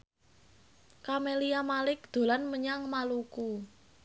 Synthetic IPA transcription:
kameliamalɪk̚d̪̥o̤lanməɲaŋmaluku

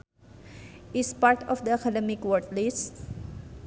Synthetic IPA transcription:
ʔispaɹt̪ɔfd̪əakʰadɛmikwɔɹt̪lis

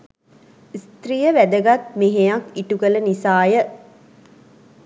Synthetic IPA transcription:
ist̪rijəʋæd̪əɡat̪̚meɦejakiʈukələnisaːjə

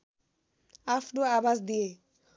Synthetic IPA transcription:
afɖoabasd̪ije

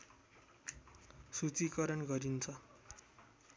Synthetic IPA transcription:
sut͡sikʌɾʌnɡʌɾint͡sʰʌ

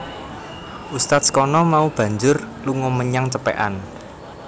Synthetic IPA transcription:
ʔust̪at̪̚sə̥kɔnɔmaub̥ä̤ɲd͡ʒʊr | luŋɔməɲaŋt͡ʃəpḛʔa̰n

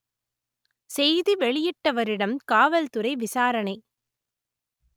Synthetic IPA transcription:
sɛjðɯʋɛɭɪjɪʈːɐʋɐɾɪɽɐmkaːʋɐlt̪ɯɾɐɪʋɪsaːɾɐɳɐɪ

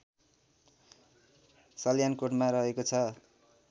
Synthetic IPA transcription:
sʌljankoʈmarʌɦekot͡sʰʌ

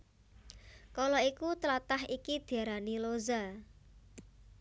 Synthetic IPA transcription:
kɔlɔikut̪əlat̪aɦikid̪̥iaɾaniloza

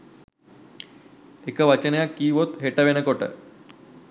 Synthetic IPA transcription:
ekəʋat͡ɕənjakiːʋot̪ɦeʈəʋenəkoʈə̰

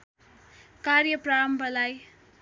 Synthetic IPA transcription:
kaɾjʌpraʌmbʌlaj

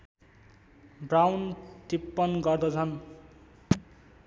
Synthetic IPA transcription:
brawnt̪ipːʌnɡʌrd̪ʌt͡sʰʌn

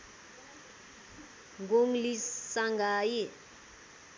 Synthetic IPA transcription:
ŋɡʱoŋ̩lisaŋɡʱaːjɛ

